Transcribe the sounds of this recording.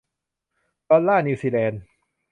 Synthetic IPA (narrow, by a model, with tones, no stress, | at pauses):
d̪̥ɔː˧lːaː˥˩ni˧siː˧lɛː˧n